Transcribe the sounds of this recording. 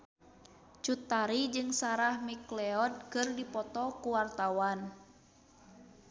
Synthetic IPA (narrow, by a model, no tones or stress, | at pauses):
t͡ʃut̪aɾid͡ʒɨŋsaɾahmiklɛɔd̚kɨrdipɔt̪ɔkuwart̪awan